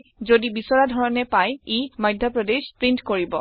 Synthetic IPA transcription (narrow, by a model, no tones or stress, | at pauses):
zodibisɔɹadʱɔɹɔnɛpajemajdʱjɔpɹɔdexpɹintkoɹibɔ